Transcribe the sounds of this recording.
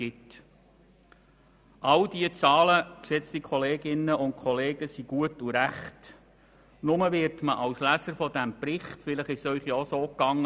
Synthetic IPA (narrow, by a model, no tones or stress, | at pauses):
ɪt | ʔɑldiət͡sɑːləkʃɛt͡stikʰɔleːɡɪnəʊnt̚kʰɔleːɡəsiɡ̥uətuɾæχt | nʊməʋɪɾtməʔɑlslæsəɾfɔdæmpɾɪχtfɪləχɪʃsœʏχjaːsoːkːɑŋːə